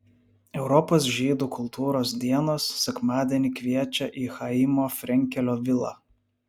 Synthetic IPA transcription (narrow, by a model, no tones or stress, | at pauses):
ɛʊɾɔpoːs̬ʒʲiːd̪uːkʰʊlˠt̪ʰuːɾoːs̬d̪ʲiɛnoːsːʲɛkmɑːd̪ʲiɛnʲɪkʋʲiɛt͡ʃʲɛʔiːxɐimoːfʲɾʲɛŋʲkʲɛlʲoːʋʲɪlˠɑ̰